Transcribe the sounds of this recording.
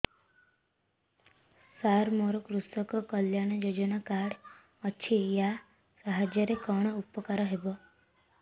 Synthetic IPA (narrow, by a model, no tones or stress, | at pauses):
saɾmoɾɔkɾusɔkɔkʌljaɽ̃ɔjod͡ʒɔnakaɽ | ɔt͡ʃʰija | saɦad͡ʒjɔɾekɔɽ̃ɔupɔkaɾɔɦebɔ